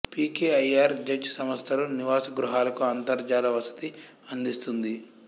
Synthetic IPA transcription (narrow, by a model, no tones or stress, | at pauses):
piːkeːɐjaːɾd͡ʒɐd͡ʒɐsɐmɐst̪ʰɐluniʋaːsɐɡɾuɦaːlɐkuɐnt̪ɐɾd͡ʒaːlɐʋɐsɐ̥t̪i | ɐnd̪ist̪und̪i